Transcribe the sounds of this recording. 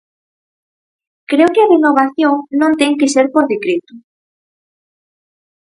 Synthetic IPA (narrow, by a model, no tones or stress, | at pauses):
kɾewkɪɐrenoβ̞aθjoŋnõŋt̪ɛŋkɪseɾpoɾðekɾet̪ʊ